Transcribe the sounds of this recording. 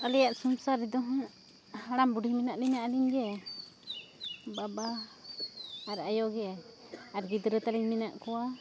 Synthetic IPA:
alɛjaʔsɔmsaɾɛd̪ɔɦɔ | haɽambuɖihminaʔliɲaʔaliɲɡɛ | baba | ɾajɔɡɛ | aɾɡid̪ɾət̪aliɲmɛnaʔkɔwa

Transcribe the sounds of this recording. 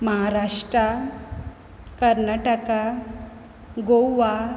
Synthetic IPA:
məɦaɾaʂʈɾa | kəɾnaʈəka | ɡowʋa

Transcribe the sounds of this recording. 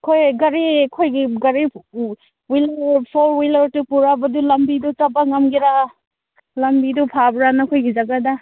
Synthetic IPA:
kʰojɡɐɾikʰojɡiɡɐɾib | wilɾpʰɔɾwilaɾtupuɾabadulambidutabaŋamɡiɾa | lambidupʰabɾanakʰojɡizaɡada

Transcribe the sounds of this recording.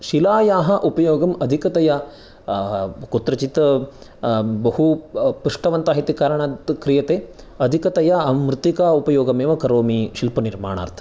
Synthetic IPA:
ʃilaːjaːɦɐ̆ʔupɐjoːɡɐmɐd̪ʱikɐt̪ɐjɐ | kut̪ɾɐt͡ʃit̪ɐ | bɐhupuʂʈɐʋɐnt̪aːɦit̪ikaːɾɐɳaːt̪kɾijɐt̪eː | ɐd̪ʱikɐt̪ɐjɐɐmmɾɨt̪ːikaupɐjoːɡɐmeːʋɐkɐɾoːmiʃilpɐniɾma̰ːɳa̰ːɾt̪ʰɐ̥

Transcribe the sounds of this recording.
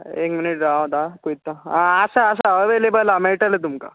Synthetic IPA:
ḛkminiʈɾawd̪akoit̪ːaɦãəsaːsaəʋelebəlameɭʈalet̪umka̰

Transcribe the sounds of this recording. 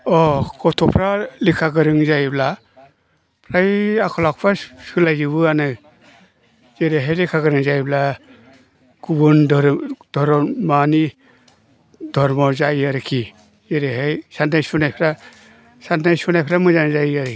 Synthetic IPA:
ɔkʰɔtʰɔpʰɾalikʰaɡɯɾɯŋzajbla | pʰɾajakʰɔlak̚pʰɾasɯlajzɯbɯanɯ | zeɾeɦejlikʰaɡɯɾɯŋzajbla | ɡ̥ubundɔɾd̥ʱɔɾɔmani | dʱɔɾmɔzaiaɾɯkʰi | zeɾeɦajsandajsunajpʰɾa | sandajsunajpʰɾamɯzanzajiaɾɯ

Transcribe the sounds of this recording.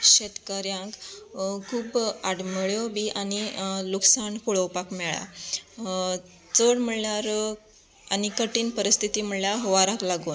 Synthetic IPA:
ɕet̪kəɾjãŋkkʰuːbaɽməɭjɔbiʔaniluksankuɭəwpakmɛɭa̰ | t͡səɽm̤əɭljaɾ | anikəʈiːnpəɾist̪ʰit̪im̤əɭljaɦoʋaɾãklaɡuːn

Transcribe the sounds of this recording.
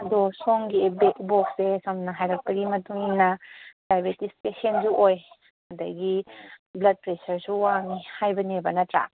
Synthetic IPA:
ɐdɔsoŋɡibek̚bok̚sesʰɐmnɐɦajɾɐk̚pɐɡimɐtuŋinɐpajbetispesensuʔoj | hɐdɐ̰ɡiblɐd̚pɾesɐɾsuwaŋihajbɐnebɐnɐtɾa̰

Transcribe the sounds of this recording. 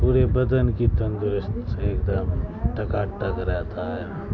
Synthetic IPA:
puːɾebɐd̪ənkit̪ɐ̃nd̪ʊɾɪst̪eːkd̪əmʈɐkaːʈəkɾɛɦt̪aɦɛː

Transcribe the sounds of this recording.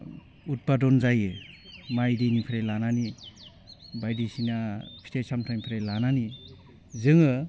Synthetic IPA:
ut̚badɔnzajɯmajdinipʰiɾejlanani | bajdisinapʰi̥tʰejsamtʰajnipʰiɾejlanani | zɯŋɯ

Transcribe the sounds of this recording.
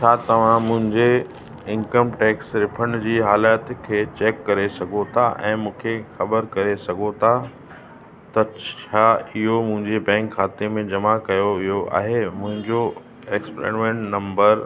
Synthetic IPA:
t͡ɕʰaːt̪ɐʋ̤ãmʊ̃ɦɪ̃ɲd͡ʑe | ɪ̃nkəmʈɛːksɾɪpʰəɽ̃d͡ʑiːɦaːlaːt̪kʰeːt͡ɕeːkːɐɾesɐɡʱot̪ʰaʔɛ̃ːmũːkʰexɐbəɾkɐɾesɐɡʱot̪ʰa | t̪ɐt͡ɕʰaːɪɦomʊ̃ɦɪ̃ɲd͡ʑebɛ̃ːŋkxaːt̪emẽd͡ʑɐmakɐjoʋijoʔa̰ːɦemʊ̃ɦɪ̃ɲd͡ʑo | eksplḛːɽmẽːɳʈnɐ̃mbəɾ

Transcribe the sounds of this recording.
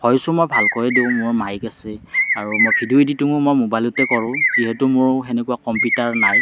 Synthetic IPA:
pʰɔjsʊmɔjbʱalkɔɹɛdeʊ̃mʊɹmajkasɛaɹumɔjpʰiduiditumʊmɔjmobajlʊtɛkɔɹʊ̃ziɦɛtʊmʊɹɦɛnɛkuakɔmpjutaɹnaj

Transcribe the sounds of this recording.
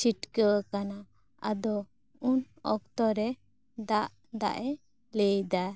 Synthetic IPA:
t͡ʃiʈkəwkana | a̰d̪ɔ | un | ɔk̚t̪ɔɾɛ | d̪aʔ | d̪a̰ʔɛ | lejd̪a

